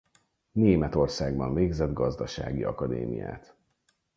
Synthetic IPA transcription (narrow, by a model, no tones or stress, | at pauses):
neːmɛt̪o̞rsaːɡbɒɱveːɡzɛd̪ɡɒzd̪ɒʃa̰ːɡiɒkɒd̪ḛːmḭja̰ːt̪